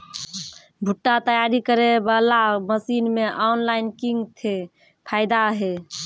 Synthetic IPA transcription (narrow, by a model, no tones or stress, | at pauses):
bʱuʈːat̪əjaɾikəɾebəlaməsinmeʔawnlainkiŋɡt̪ʰe | pʰaɪd̪aɦe